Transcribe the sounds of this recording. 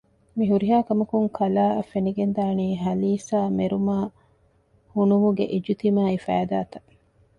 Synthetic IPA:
miɦuɾiɦaːkɐmɐkuŋkʰɐlaːɐfeniɡend̪aːniːɦɐliːsaːmeɾumaː | hunumuɡeʔid͡ʒut̪imaːifæ̰ːd̪aːt̪ɐ̥

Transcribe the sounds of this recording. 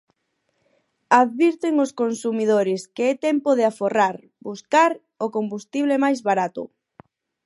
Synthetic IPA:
aðβiɾt̪eŋoskonsumið̞oɾɪskeɛt̪ɛmpoðeaforaɾ | buskaɾ | ʊkombust̪iβ̞lemajzβaɾat̪ʊ̰

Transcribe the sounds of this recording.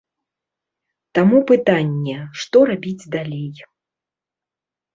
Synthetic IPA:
t̪amupɨt̪anʲːɛʂt̪ɔɾabʲid͡zʲd̪alʲej

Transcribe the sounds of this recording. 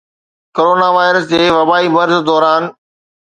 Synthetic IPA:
koːɾoːnaʋaːɪɾəsd͡ʑeːʋɐbaːimɐɾzd̪ɔːɾaːn

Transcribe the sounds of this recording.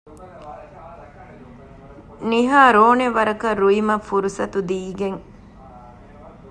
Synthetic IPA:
niɦaːɾoːneʋɐɾɐkɐɾuimɐfuɾusɐt̪ud̪iːɡeŋ

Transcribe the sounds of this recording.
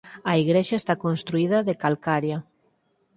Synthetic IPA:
aiɣɾeʃaest̪akonst̪ɾuiðaðekalkaɾja

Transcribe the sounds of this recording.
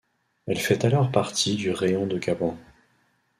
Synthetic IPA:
ɛlfɛt̪alɔʁpaʁt̪ʰid̪yʁeɔ̃d̪əɡabɔ̃

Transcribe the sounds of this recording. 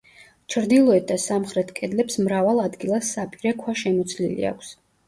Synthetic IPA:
t͡ʃʰɾd̪ilˠɔɛt̪̚d̪asamχɾɛt̪ʰkʼɛd̪lɛpsmɾavalˠad̪ɡilˠasːapʼiɾɛkʰwaʃɛmɔt̪sʰlḭlḭa̰kʰʷs

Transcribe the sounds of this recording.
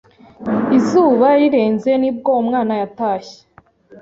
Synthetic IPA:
izuːβaɾiɾe̞ːnze̞nib̚ɡoumŋaːnajataːɕe̥

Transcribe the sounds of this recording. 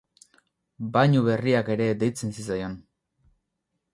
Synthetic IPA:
baɲuβe̞riake̞ɾe̞d̪e̞jt͡se̞nsit͡sajan

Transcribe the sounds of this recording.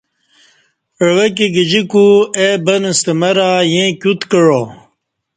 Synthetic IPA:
əɭwek̬iɡid͡ʑikuebɐnəst̪emɐɾajẽkʲut̪kəɻo

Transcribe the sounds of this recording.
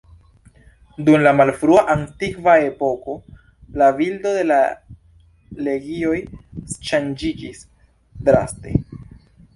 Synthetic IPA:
dunlamalfɾuaʔantikvae̞po̞ko̞ | lavildo̞de̞la | le̞ɡio̞jsʃand͡ʒid͡ʒis | dɾa̰ste̞̰

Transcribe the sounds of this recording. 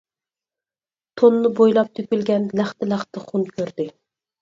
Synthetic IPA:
t̪ʰonːɪbojlˠɑp̚t̪ʰøkʲylɡʲɛnlæχt̪ɪlæχt̪ɪχʊnkʲʰøɾd̪ɪ

